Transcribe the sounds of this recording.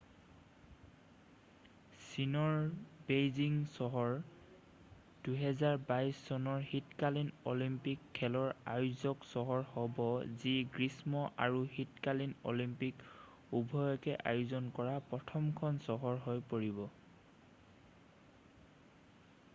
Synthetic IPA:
sinɔɹbejziŋsɔɦɔɹ | d̥uɦɛzaɹbajsːɔnɔɹhitkalinolimpikʰːɛlɔɹa̰juzɔksɔɦɔɹhɔbɔziɡɹismɔʔa̰ɹuhitkalino̰limpik | ubʱɔjɔkɛʔajuzɔnkɔɹapɹɔtʰɔmkʰɔnsɔɦɔɹɦojpoɹibɔ

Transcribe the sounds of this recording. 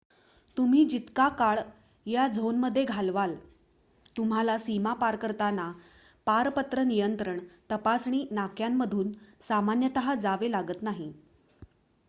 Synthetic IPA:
t̪um̤iːd͡ʑit̪kakaɭ | jad͡zʱonməd̪ʱːjeɡʱalʋal | t̪um̤alasimapaɾkəɾt̪ana | paɾpət̪ɾənijənt̪ɾəɳt̪əpasɳ̃iːnakjamːəd̪ʱuːnsamanjət̪əɦad͡zaʋelaɡət̪naɦi

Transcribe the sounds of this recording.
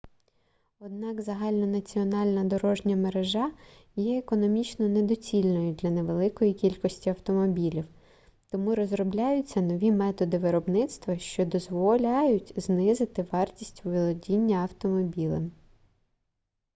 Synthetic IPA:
ɔd̪̚nɑkzɐɦɑlʲnɔnɐt͡sʲiɔnɑlʲnɐd̪ɔɾɔʒnʲɐmeɾeʒɑ | jɛekɔnɔmʲit͡ʃnɔned̪ɔt͡sʲilʲnɔjʊd̪lʲɐneʋelˠɪkɔjikʲilʲkɔsʲtʲiɐwt̪ɔmɔbʲilʲiw | t̪ɔmuɾɔzɾɔblʲajʊt͡sʲːɐnɔʋʲimɛt̪ɔd̪ɪʋɪɾɔbnɪt̪st̪ʋɐʃt͡ʃɔd̪ɔzʋɔlʲɑjʊtʲznɪzɪt̪ɪʋɑrtʲisʲtʲuʋɪlˠɔdʲinʲːɐɐwt̪ɔmɔbʲilˠɐm

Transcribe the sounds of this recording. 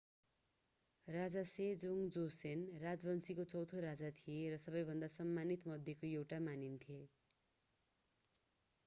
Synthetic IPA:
rad͡zased͡zoŋd͡zosenrad͡zbʌnsikot͡sʌwt̪ʰoɾad͡zat̪ʰieɾʌsʌbʌjbʱʌnd̪asʌmːanit̪mʌd̪ʱjʌkoewʈamanint̪ʰije

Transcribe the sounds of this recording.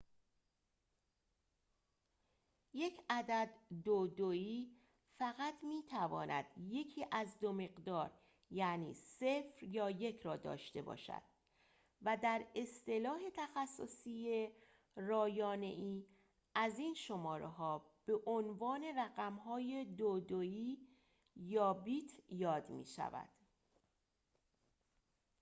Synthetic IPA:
je̞cʰæd̪æd̪ːod̪oiː | fæɣæt̪ʰmiːt̪ʰævɒ̰ːnʔæ̰d̪̥je̞cʰiːʔæzd̪ome̞ɢd̪ɒːɾ | jænḭːse̞fɾjɒːje̞cʰɾɒːd̪ɒ̰ːʃt̪e̞bɒ̰ːʃæ̰d̪̥ | væd̪æɾe̞st̪e̞lɒːɦe̞t̪ʰæxæsːo̰siːje | rɒːjɒːne̞̰ʔiː | æziːnʃo̞mɒːɾeɦɒː | b̥e̞ʔonvɒːne̞ræɣæmɦɒːje̞d̪od̪oiː | jɒːbit̪ʰjɒːd̪mḭːʃæ̰væ̰d̪̥

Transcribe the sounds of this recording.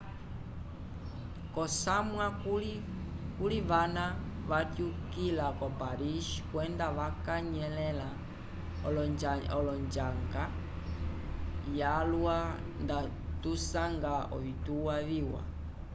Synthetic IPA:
kɔsamwa | kuliʋana | ʋatjukilakɔpaɾiʃkwɛndaʋakaɲɛlɛla | ɔlɔɲd͡ʒaŋɡa | jalwa | nda | tusaŋɡaɔ̰βituwaβiwa̰

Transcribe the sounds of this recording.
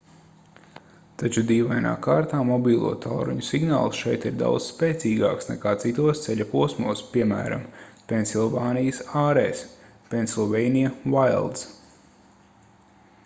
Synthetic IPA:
t̪at͡ʃud̪iːvajna̰ːkaːɾt̪aːmɔbʲiːlˠṵɔt̪ʰalɾṵɲusiɡna̰ːlˠsʃɛjt̪iɾd̪a̰w̪z̥speːt̪sʲiːɡa̰ːksnɛ̰kaːt̪sit̪uɔst̪sɛʎʲapuɔsmuɔspʲiɛmæ̰ːɾa̰mpʲenʲsilˠvaːnijəsaːɾɛːs | pʲensilˠvɛjnijavajlˠd̪s

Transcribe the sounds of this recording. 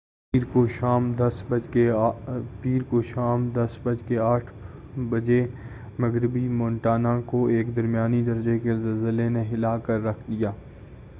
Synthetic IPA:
iɾkoʃaːmd̪ɐsbɐke | piːɾkoʃaːmd̪ɐsbɐd͡ʒkeaːʈʰ | bɐd͡ʒe | mɐɡɾɪbimɔ̃ːnʈaːnakoeːkd̪ɐɾmijaːnid̪ɐɾd͡ʒekezɐlzəlenẽɦɪlaːkɐɾːɐkʰd̪ijaː

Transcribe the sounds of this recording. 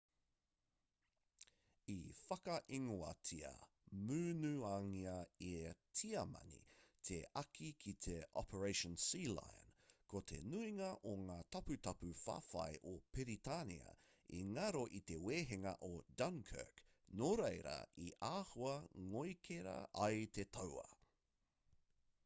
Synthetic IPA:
ifɐkɐʔiŋoɐ̰tʰiɐ̰ | mʉːnʉaːŋiɐietʰiɐmɐ̰nḭt̪ʰeɐkʰikʰit̪ʰeʔɔ̰pʰəɹeɪʃə̃nsiːla̰jnkʰot̪ʰḛnuiŋɐʔoŋaːt̪ɐpʉt̪ɐpʉfa̰ːfɐ̰jʔopeɾit̪anḭɐ̰ | iŋɐɾoʔit̪eweːɦeŋɐ̰ʔodɐnkʰə̰k | noɾejɾɐ̰ʔiʔaːhuɐŋojkʰeɾɐ̰ɐjt̪et̪ʰɐwɐ̰

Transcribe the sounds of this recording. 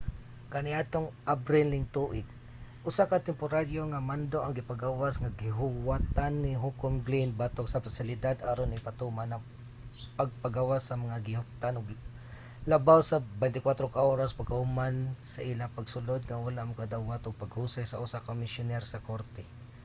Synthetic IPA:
kanɪʔat̪oŋʔabɾɪlːɪnt̪uʔɪɡ̚ | ʔʊsakat̪ɛmpʊɾaɾjoŋamand̪oʔaŋɡɪpaɡawasŋaɡɪɦʊwat̪anːɪɦukʊmɡlinbat̪oksafasɪlɪd̪ad̪aɾonɪpat̪umana | paɡ̚paɡawasɐmɐŋaɡɪɦʊk̚t̪anʊɡ | labawsabɛjnt̪ɪkwat̪ɾokaʔoːɾaspaɡahʊmansaʔilapaɡsʊlod̪̚ŋawalaʔmʊkad̪awat̪ʊɡ̚paɡhusajsaʔʊsakamɪsjʊnɛɾsɐkoɾt̪ɛ

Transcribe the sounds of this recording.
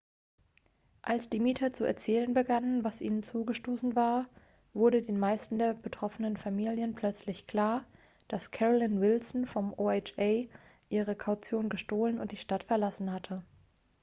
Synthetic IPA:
ʔalsd̥iːmiːtʰɐt͡suɛ̰ɐt͡sɛːlənbəɡanənvasʔḭːnənt͡suːɡəʃtoːsn̩vaːɐ | vʊɐɾədeːnmaɪstn̩deːɐbətʁ̥ɔfənənfamiːljənpʰl̥œt͡slɪçkʰl̥aːɐ | d̥askʰɛʁolɪnvɪlsn̩fɔmʔoːet͡ʃɛɪʔiːʁ̞əkʰaʊt͡sjoːnɡəʃtoːlənʊ̰ntd̥iːʃtatfɛɐlasn̩hatʰə

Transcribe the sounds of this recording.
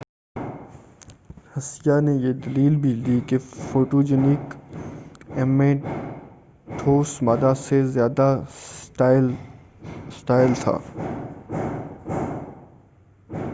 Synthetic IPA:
hɐsijanejed̪ɐliːlbʱid̪ikefoːʈoːd͡ʒenɪk | eːmẽː | ʈʰoːsmaːd̪asezjaːd̪a | ɪ | sʈaːɪlt̪ʰa̰ː

